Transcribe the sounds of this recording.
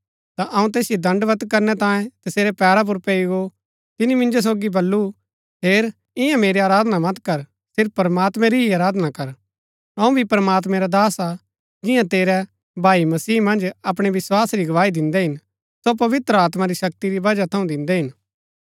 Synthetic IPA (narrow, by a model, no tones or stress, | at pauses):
t̪aʔɐũt̪eːsjod̪ɐ̃ɳɖʋət̪kɐɾnɛt̪ãːjẽt̪ɐseːɾɛpɛːɾap̬ʊɾpeːiɡo | t̪ɪnimɪ̃nd͡ʒos̬oːɡibɐlːu | ɦeːɾ | ɪ̃jãmeːɾeaːɾaːd̪namɐt̪kɐɾ | sɪɾpːɾəmaːt̪mɛ̃ɾiɦiɐɾaːd̪nakɐɾ | ɐ̃ũbʱipɾəmaːt̪̬mɛ̃ɾad̪aːsa | d͡ʒɪ̃jãt̪eːɾɛ | bʱaːimɐsiːmɐ̃nd͡ʒɐp̬ɽ̃eʋɪswaːsɾiɡɐʋaːid̪ɪ̃nd̪ɛɦɪn | sop̬ɐʋɪt̪ɾəaːt̪maɾiʃɐk̚t̪iɾibɐd͡ʒat̪ʰɐũd̪ɪ̃nd̪ɛɦɪn